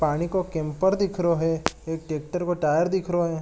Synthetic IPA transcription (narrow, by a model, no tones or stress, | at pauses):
paːɽ̃ikokɛ̃ːmpəɾd̪ɪkʰɾoɦɛeːk̚ʈeːk̚ʈəɾkoʈaːjəɾd̪ɪkʰɾoɦɛː